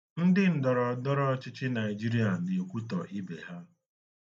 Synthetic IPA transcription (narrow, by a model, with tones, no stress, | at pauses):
n̩˦dɪ˦n̩˨dɔ˨ɾɔ˨dɔ˦ɾɔ˦t͡ʃɪ˦t͡ʃɪ˦na˨ɪ˨d͡ʒi˦ɾi˨˦a˨ne˨kʷu˦tɔ˨ʔi˦be˨ɦa˦